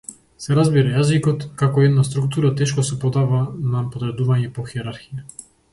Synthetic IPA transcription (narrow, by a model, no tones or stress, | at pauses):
sɛɾazbiɾajazikɔt̪kakɔɛd̪nast̪ɾukt̪uɾat̪ɛʃkɔsɛpɔd̪avanapɔd̪ɾɛd̪uvaɲɛpɔxiɛɾaɾxija